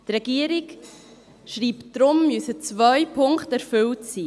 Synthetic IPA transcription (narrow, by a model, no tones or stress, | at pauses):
trɛɡ̥iəɾɪk | ʃriːptd̥ɾʊmːysət͡svœʏpʰʊŋkχtɛɾfʏltsiː